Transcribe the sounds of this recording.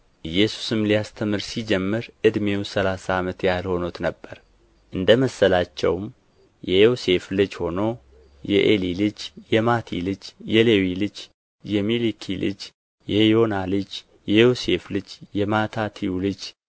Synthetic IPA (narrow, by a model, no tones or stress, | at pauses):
ʔɨjːɛsu̥sɨmlijast̪ʰəmɨɾsid͡ʒɛmːɨɾʔɨd̪me̞wsəlasaːmət̪jalho̞not̪nəbːəɾ | ʔɨnd̪əməsːəlat͡ʃːɛ̰wm | jɛjose̞flɨd͡ʒho̞no̞ | jɛ̰ʔelilɨd͡ʒjɛmat̪ʰḭlɨd͡ʒjɛlewilɨd͡ʒ | jɛmilikʰilɨ̰d͡ʒ | jɛjo̞nalɨd͡ʒ | jɛjose̞flɨd͡ʒjɛmat̪ʰat̪ʰiulɨd͡ʒ